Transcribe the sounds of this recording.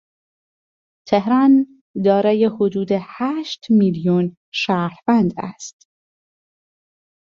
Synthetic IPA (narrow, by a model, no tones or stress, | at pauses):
t̪ʰehɾɒːn | d̪ɒːɾɒːjehod̪uːd̪ehæːʃt̪miljun | ʃæːɾvænd̪æ̰st̪